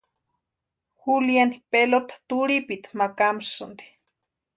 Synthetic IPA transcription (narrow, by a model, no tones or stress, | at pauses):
xuljanipelot̪ḁt̪uɽipit̪makamsɨnd̪i̥